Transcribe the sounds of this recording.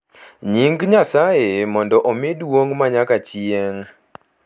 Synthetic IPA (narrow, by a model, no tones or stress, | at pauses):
ɲiŋɡɲasajemɔndɔʔomɪdwoŋmaɲakat͡ʃjeŋ